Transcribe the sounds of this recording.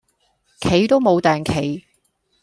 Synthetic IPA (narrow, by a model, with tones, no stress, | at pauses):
kʰe˨˥jt̪o˥wmo˨˧wt̪ɛː˨ŋkʰe˨˥j